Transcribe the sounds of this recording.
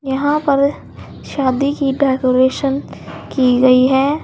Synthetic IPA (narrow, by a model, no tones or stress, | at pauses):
jɐɦãpɐɾ | ʃaːd̪ikiɖɛːkoːɾeːʃənkiɡɐiɦɛː